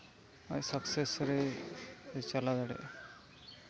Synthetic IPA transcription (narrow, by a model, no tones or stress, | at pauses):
ajsəksesɾe | t͡ʃalad̪aɽḛ